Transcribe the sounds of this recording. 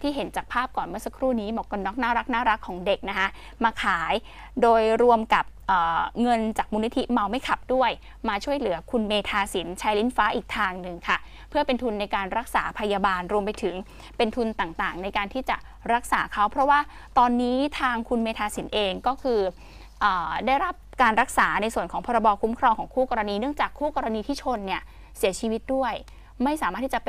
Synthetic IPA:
t̪ʰiː˥˩ɦe˩˦nt͡ɕaː˨˩k̚pʰaː˥˩p̚kɔː˨˩nmɯ˥ɐsa˧kʰɾuː˥˩niː˦˥mɔː˨˩ka˧nːɔː˦˥k̚naː˥˩ɾa˦˥k̚naː˥˩ɾa˦˥kʰːɔː˩˦ŋde˨˩k̚na˦˥kʰa˦˥ʔ | maː˧kʰaː˩˦j | doː˧jɾu˧əmka˨˩p̚ʔəː˨˩ŋɤ˧nt͡ɕaː˨˩k̚muː˧ni˦˥t̪ʰi˦˥ma˧wma˥˩jkʰa˨˩p̚du˥˩əj | maː˧t͡ɕʰu˥˩əjlɯ˨˩˦ɐkʰu˧nmeː˧t̪ʰaː˧si˩˦nt͡ɕʰa˦˥jli˦˥nfaː˦˥ʔiː˨˩k̚t̪ʰaː˧ŋnɯ˧ŋkʰa˥˩ | pʰɯ˥˩əpe˧nt̪ʰu˧nːa˧jkaː˧nɾa˦˥k̚saː˩˦pʰa˧jaː˧baː˧nɾu˧əmpa˧jt̪ʰɯ˩˦ŋ | pe˧nt̪ʰu˧nt̪aː˨˩ŋt̪aː˨˩ŋna˧jkaː˧nt̪ʰiː˥˩t͡ɕa˨˩ | ɾa˦˥k̚saː˩˦kʰa˦˥wpʰɾɔ˦˥waː˥˩ | t̪ɔː˧nːiː˦˥t̪ʰaː˧ŋkʰu˧nmeː˧t̪ʰaː˧si˩˦nʔeː˧ŋkɔː˥˩kʰɯː˧ | ʔəː˨˩daː˥˩jɾa˦˥p̚kaː˧nɾa˦˥k̚saː˩˦na˧jsu˨˩ənkɔː˩˦ŋpʰɔː˧ɾa˧bɔː˧kʰu˦˥mkʰɾɔː˧ŋkʰɔː˩˦ŋkʰuː˥˩kɔː˧ɾa˧niː˧nɯ˥˩əŋt͡ɕaː˨˩kʰːuː˥˩kɔː˧ɾa˧niː˧t̪ʰiː˥˩t͡ɕʰo˧nːi˥˩ɐ | si˨˩˦ɐt͡ɕʰiː˧wi˦˥t̪̚du˥˩əj | ma˥˩jsaː˨˩˦maː˥˩t̪ʰːiː˥˩t͡ɕa˨˩p

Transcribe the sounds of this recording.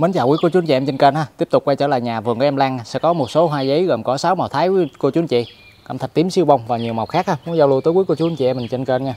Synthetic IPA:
mə˨˦nt͡ɕaː˨˩wi˨˦kt͡ɕu˨˦nt͡ɕḭ˨˧˨ʔɛ˧mt͡ɕə˧nkeː˧nhaː˨˧t̪i˦˥əp̚t̪ʊ˨˩k͡p̚kwa˧jt͡ɕəː˧˩˦laː˨jɲaː˨˩vɨ˨˩ŋkːə˨˦ʔɛ˧mlaː˧ŋ˧sɛ̰˧˥kɔ˨˦mo˨˩t̚so˨˦ɦwaː˧zə˨˦jɣəː˨˩mkɔ˨˦saː˨˦wma˨˩wt̪ʰaː˨˦jko˧t͡ɕu˨˦ənt͡ɕḭ˧˨ | ka̰˧˩mt̪ʰə˨˩t̪i˨˦msi˧əwɓa˧wŋ͡mvaː˨˩ɲi˨˩əwma˨˩k͡p̚xaː˦˥k̚haː˧mu˨˦nzaː˧wlu˧t̪əː˨˦jku˨˦ko˧t͡ɕu˨˦ənt͡ɕi˧˩ʔɛ˧mːï̟˨˩t͡ɕə˧nke˧nɲaː˧

